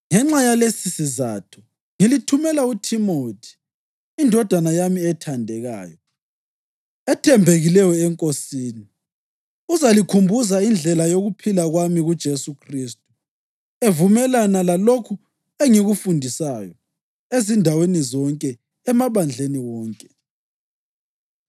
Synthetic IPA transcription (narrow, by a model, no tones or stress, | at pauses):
ŋɛŋ͡ǁajalesisiza̰ːtʰɔ̥ | ŋilitʰumɛlautʰimoːtʰi̥ː | ndʱɔd̥ʱwanajamiɛtʰandʱɛɣa̰ːjɔ | ɛtʰɛmbʱeɣilɛjɔɛŋkʼosiːni | uzalikʰumbʱuzaind͡ɮʱɛlajoɣupʰilaɣwamiɣud̥ʒ̥ʱesukʰriːstʼu | evumɛlanalalokʰu | eŋiɣufundʱisaːjɔ | ezindʱawenizɔŋkʼɛ | ɛmaβand͡ɮʱeniwɔːŋkʼɛ